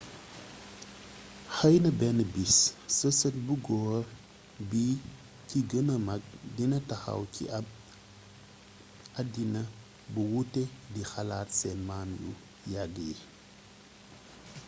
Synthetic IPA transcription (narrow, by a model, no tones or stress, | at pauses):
xɐjnɐbɛnɐbissəsɐt̚buɡɔːr | bi | kiɡənɐmɐk̚dinɐtɐxa̰wkʰḭɐb̚ | ɐdinɐ | buwutːɛdixɐlaːtsɛnmanjṵ | jaɡəi